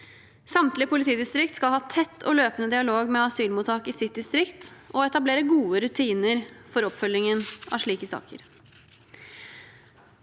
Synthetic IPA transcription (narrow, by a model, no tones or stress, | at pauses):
sɑmt̪lɪpʊlɪt̪ʰiːd̪ɪst̪ɾɪk̚t̪skɑlhɑːt̪ʰɛt̪ʰːɔløːpənəd̪ɪɑloːɡmɛɑsyːlmuːt̪ʰɑːkɪsɪt̪̚d̪ɪst̪ɾɪkt̪ʔɔɛt̪ɑbleːɾəɡuːəɾʉt̪ʰiːnəɾfɔɾɔpfœlɪŋənʔɑ̰ʂɭiːkəsɑ̰ːkə̰ɾ